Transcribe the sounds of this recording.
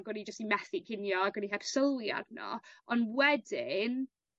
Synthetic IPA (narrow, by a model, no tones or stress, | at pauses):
ɡənid͡ʒəstimɛθikʰɪnjɔaɡəniɦɛpʰsəlˠja̰dnɔ̰ɔnwɛdɪn